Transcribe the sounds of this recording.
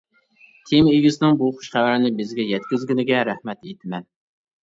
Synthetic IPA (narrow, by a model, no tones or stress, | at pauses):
t̪ʰemeɡʲɪsɪnɪŋbuχʊ̥ʃχæwæɾɪnɪbɪzɡʲɛjɛt̪kʲɪzɡʲinɪɡʲɛɾæhmɛt̪et̪ʰɪmɛn